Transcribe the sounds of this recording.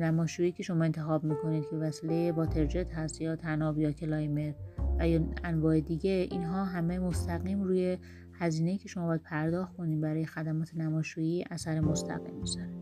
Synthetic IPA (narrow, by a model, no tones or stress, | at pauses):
næmɒːʃuːiːcʰe̞ʃo̞mɒːe̞nt̪ʰe̞xɒːbmiːkʰo̞nid̪̚cʰe̞væsilejebɒːt̪ʰe̞ɾd͡ʒet̪hæst̪jɒːt̪ʰænɒbjɒːcʰelɒjme̞ɾvæjɒænvɒːe̞d̪iɟeḭnɦɒːɦæmemo̞st̪ʰæɣiːmɾuːje̞ | hæziːne̞jiːcʰe̞ʃo̞mɒbjæd̪̚pʰæɾd̪ɒːxtkʰo̞niːdbæɾɒːje̞xæd̪æmɒːt̪ʰenæmɒːʃuːiːʔæsæɾemost̪ʰæ̰ɣḭmːizæɾe̥